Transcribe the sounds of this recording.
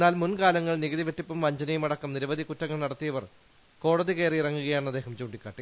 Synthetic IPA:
enːaːlmunkaːlɐŋːɐɭniɣɐðiʋeʈːipːumʋɐɲd͡ʑɐnɐjumɐɽɐkːɐmniɾɐʋɐðʱikutːɐŋːɐɭnɐɽɐt̪ːijɐʋɐr | ko̞ːɽɐðikejriirɐŋːuɣɐjaːɳɐd̪ːeːɦɐmt͡ɕuːɳɖikːaːʈːi

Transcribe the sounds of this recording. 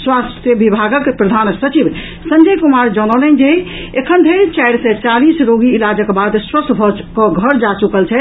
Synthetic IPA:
swast̪jəbibʱaɡəkpɾəd̪ʱansət͡ʃib | sənd͡ʒəjkumaɾd͡ʒəñɔlɛnd͡ʒe | ekʰənd̪ʱeɾt͡ʃajɽsɛ̃t͡ʃalisɾoɡiːlad͡ʒəkbad̪sɾət̪ʰbʱɔkɔɡʱəɾd͡ʒat͡ʃukəlt͡ʃʰɛ

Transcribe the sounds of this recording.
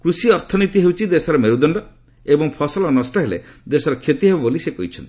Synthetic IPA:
kɾusiɔɾt̪ʰɔnit̪iɦewt͡ʃʰid̪esɔɾɔmeɾud̪ɔɳɖɔ | ebɔŋpʰɔsɔlɔnɔsʈɔɦelḛd̪esɔɾɔkʰet̪iɦebɔbolisekɔɦit͡ʃʰɔnt̪i̥

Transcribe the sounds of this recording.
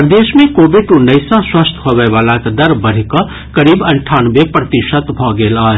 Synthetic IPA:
pɾəd̪eːʃmẽkoːbɪʈunɐjsãswɐst̪ʰɦoːʋeʋaːlãkd̪ɐɾbɐɾ̤ikɐ | kɐɾiːbɐ̃ɳʈʰaːnʋepɾɐt̪ɪʃət̪bʱɔːɡeːlaːɦe

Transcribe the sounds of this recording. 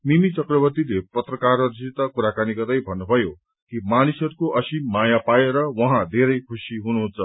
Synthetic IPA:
mimit͡sʌkrʌbʌt̪ilepʌt̪rʌkarʌɾsit̪ʌkuɾakanikʌt̪ʌjbʱʌnːubʱʌjo | kimanisʌɾukoʔʌsimajapajeɾʌwʌɦãd̪ʱeɾʌjkʰusiɦunuɦũnt͡sʰʌ

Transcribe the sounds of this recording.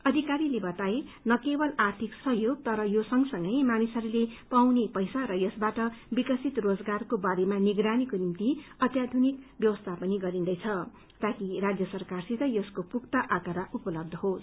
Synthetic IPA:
ʌd̪ʱikaɾilebʌt̪ae | nʌkebʌlart̪ʰiksʌɦjoɡ̚t̪ʌɾʌjosʌŋɡʌsʌŋɡʌjmanisʌɾulepawnepʌjsaɾʌjʌsbaʈʌbikʌsit̪rod͡zɡarkobaɾemaniɡɾanikonimt̪iʌt̪jad̪ʱunikbjʌwʌst̪ʰapʌniɡʌɾind̪ʌjt͡sʰʌ | t̪akirad͡zjʌsʌrkarsit̪ʌjʌskopukt̪ʌʔakʌɾaʔupʌlʌb̚d̪ʱʌɦos

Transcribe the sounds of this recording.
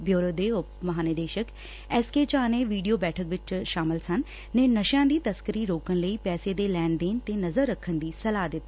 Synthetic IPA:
bʱjoːɾod̪eːʊpmɐɦaːnəd̪eːʃək | ɛːskeːt͡ʃaːneʋiːɖijobɛːʈʰəkʋɪt͡ʃʃaːmɪlsɐn | nɛ̃ːnɐʃjãːd̪iːt̪ɐskəɾiɾoːkəñ̆ləiːpɛːsed̪elɛːɳd̪ẽːnt̪enɐzəɾːɐkʰːənd̪iːsɐlaːd̪ɪt̪ː

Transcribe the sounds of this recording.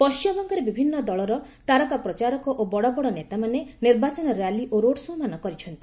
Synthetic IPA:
pɔʃjɔbɔŋkɔɾebibʱinːɔd̪ɔɭɔɾɔ | t̪aɾɔkapɾɔt͡ʃaɾɔkɔʔobɔɽɔbɔɽɔnet̪amaneniɾbat͡ʃɔnɔɾjaliʔoɾoɽsuɦmanɔkɔɾit͡ʃʰɔnt̪i̥

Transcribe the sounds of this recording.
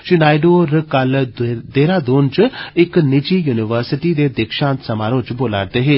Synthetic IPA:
t͡ʃɪnaːiɖoːɾkɐld̪eːɾãːd̪oːnt͡ʃɪknɪd͡ʒijuːnɪʋəɾsɪʈiːd̪ed̪ɪkʃãːnt̪sɐmaːɾõːt͡ʃboːlaːɾt̪eɦeː

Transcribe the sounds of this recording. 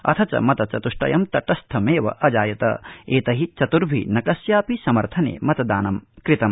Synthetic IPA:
ɐ̰t̪ʰɐt͡ʃɐ̰mɐt̪ɐt͡ʃɐt̪uʂʈɐ̰jɐmt̪ɐʈɐst̪ʰɐmeːʋɐ̰ʔɐd͡ʒaːjɐt̪ɐ̰eːt̪ɐɦit͡ʃɐt̪uɾbʱḭnɐkɐsjaːpisɐmɐɾt̪ʰɐnḛːmɐt̪ɐd̪aːnɐmkɾit̪ɐm

